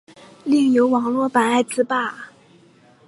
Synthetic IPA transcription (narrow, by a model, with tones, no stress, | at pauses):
li˥˩ŋjo˧˥ʊwɑ˨˥ŋlwɔ˥˩pa˨˩na˥˩ɪt͡sɹ̩˥pa˥˩